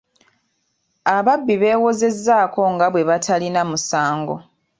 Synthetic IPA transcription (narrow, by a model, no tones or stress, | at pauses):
aβabːiβe̞ːwo̞ze̞zːaːko̞ŋɡaβwe̞βatʰalinamusaːŋɡo̞̰